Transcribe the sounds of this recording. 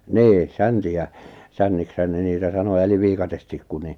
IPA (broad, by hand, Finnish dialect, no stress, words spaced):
niː sæntiæ sænːikshæn ne niːtæ sɑno eliʋ ʋiːkɑtestikːu ni